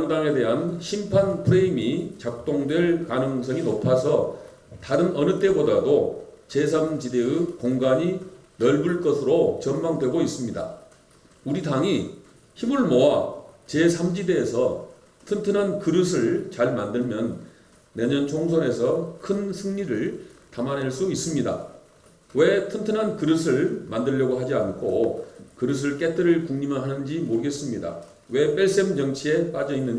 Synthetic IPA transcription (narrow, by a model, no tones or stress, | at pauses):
ŋdaŋe̞de̞ɦanɕʰimpʰanpʰɯɾeimit͡ɕak̚t͈oŋdwe̞ɭkanɯŋs̬͈ʰʌŋinopʰasʰʌ | taɾɯnʌnɯt͈e̞bodado | t͡ɕe̞sʰamd͡ʑide̞ɯkoŋɡaɲi | nʌɭbuɭk͈ʌsʰɯɾot͡ɕʌnmaŋdwe̞ɡois͈ɯmɲida̰ | uɾidaŋi | çimɯɭmowat͡ɕe̞sʰamd͡ʑide̞ːsʰʌ | tʰɯntʰɯnankɯɾɯsʰɯɭt͡ɕaɭmandɯɭmjʌnː | e̞ɲʌnt͡ɕʰoŋs̬ʰone̞sʰʌkʰɯnsʰɯŋɲiɾɯɭtamanɦeɭs͈uis͈ɯmɲida̰ | we̞tʰɯntʰɯnɦankɯɾɯsʰɯɭmandɯʎːʌɡoɦad͡ʑiankʰokɯɾɯs̬ʰɯɭk͈e̞tʰɯɾɯɭkuŋɲimanɦanɯnd͡ʑimoɾɯɡe̞s͈ɯmɲida̰ | we̞p͈eɭs͈emt͡ɕʌŋt͡ɕʰie̞p͈ad͡ʑʌinːɯɲ